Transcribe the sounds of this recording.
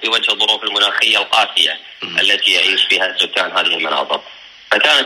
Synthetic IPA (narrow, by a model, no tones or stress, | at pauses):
fiwad͡ʒhðˤːʊɾuːfɪlmʊnaːxɪjːalqaːsɪja̰ | ʔɪlːat̪ijaʕiːʃbiːhazʊk̪ːaːnhaːðɪhɪlmʊnɑ̰ːt̪ˤɨq̚ | fakaːna